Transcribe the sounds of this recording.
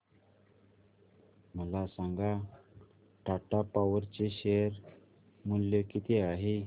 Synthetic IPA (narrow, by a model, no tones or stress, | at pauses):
məlasãŋɡa | ʈʰaʈapaʋəɾt͡ɕeɕejəɾ | muljəkit̪eaɦe